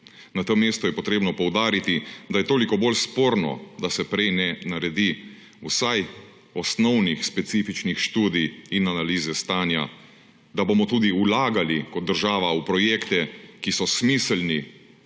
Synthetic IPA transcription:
nat̪əmeːst̪ɔjɛpɔt̪ɾeːbnɔpɔwd̪aːɾit̪id̪ajɛt̪oːlikɔbolspoːɾnɔ̰d̪asɛpɾɛjnɛnaɾɛd̪i | usaj | ɔsnɔwnixspɛt̪siːfit͡ʃnixʃt̪uːd̪ijinanaliːzɛst̪aːnja̰ | d̪abomɔt̪uːd̪iulaːɡalikɔt̪̚d̪əɾʒaːʋaupɾɔjekt̪ɛkisɔsmiːslni

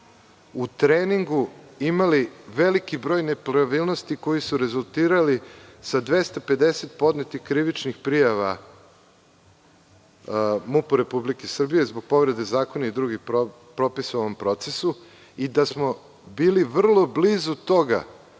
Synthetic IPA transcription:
ut̪ɾeːniŋɡuimaliʋe̞likibɾo̞ːjne̞pɾaʋiːlnost̪iko̞jisuɾe̞zulˠt̪iːɾalisad̪ʋe̞st̪ape̞d̪e̞set̪̚po̞d̪net̪ixkɾiʋit͡ʃnixpɾijaʋa | mupoɾe̞publikesr̩bijezboɡ̥̚po̞ʋɾe̞d̪e̞zaːkonaid̪ɾuɡixpo | pɾo̞pisaoompɾo̞t̪se̞su | id̪asmo̞ | biːliʋr̩lˠo̞blizut̪o̞ɡa̰

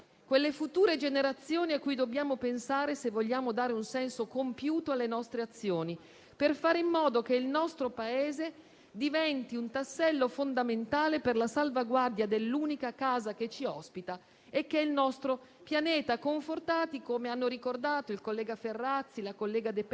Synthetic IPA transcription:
kwelːefut̪uːɾed͡ʒeneɾat̪sːjoːniakːujd̪obːjaːmopensaːɾesevːoʎːaːmod̪aːɾeunsɛnsokompjuːt̪oalːenɔst̪ɾeat̪sːjoːni | perfaːɾeimːɔːd̪ok̟eilnɔst̪ɾopaeːze | d̪ivɛnt̪iunt̪asːɛlːofond̪ament̪aːleperlasalvaɡward̪jad̪elːuːnikakaːzak̟et͡ʃːiɔspit̪a | ekːeilnɔst̪ɾo | pjanɛːt̪akoɱfort̪aːt̪ikomeanːoɾikord̪aːt̪oilkolːɛːɡaferːat̪sːilakolːɛːɡad̪ep

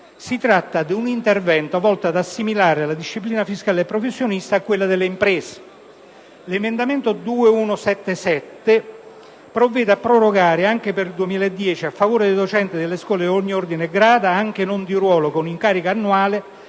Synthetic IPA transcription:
sit̪ɾat̪ːad̪iunint̪ervɛnt̪oavɔlt̪ad̪asːimilaːɾealːad̪iʃːipliːnafiskaːleepːɾofesːjonist̪aːkːwelːad̪elːeimpɾɛːse̥ | lemend̪ament̪od̪uːeunosɛt̪ːesɛt̪ːe | pɾovːɛːd̪eapːɾoɾoɡaːɾeaŋk̟eperd̪uemiːlaed̪ːjɛːt͡ʃiafːavoːɾed̪d̪ot͡ʃɛnt̪ɪd̪elːeskwɔːleoɲːiord̪ineɡɾaːd̪aaŋk̟enond̪irwɔːlokoniŋkaːɾikaːnːuaːle

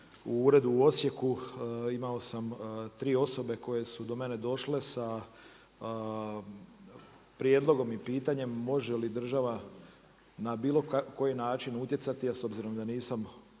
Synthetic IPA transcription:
uuːɾe̞d̪uo̞sje̞kuimao̞samt̪ɾiːo̞so̞be̞ko̞je̞sud̪o̞me̞ned̪o̞ʃle̞sa | pɾje̞d̪lˠo̞ɡo̞mipiːt̪aɲe̞mːo̞ʒelid̪r̩ʒaʋa | nabiːlˠo̞kko̞jinaːt͡ʃinut̪je̞t̪sat̪iaso̞bziɾo̞md̪aniːsam

